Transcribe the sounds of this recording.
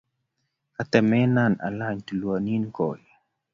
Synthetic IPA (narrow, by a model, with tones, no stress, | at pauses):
ka˨t̪ɛ˨mɛ˦na˨na̰˨la˦ɲt̪u˨lwɔ˨ni˦nkɔ˨j